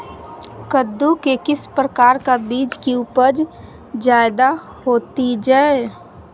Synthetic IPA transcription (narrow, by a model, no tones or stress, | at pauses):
kəd̪ːukekɪspɾəkaːɾkabiːd͡ʒkiupəɾd͡ʒ | d͡ʒaːɪd̪a | hoːt̪id͡ʒaːe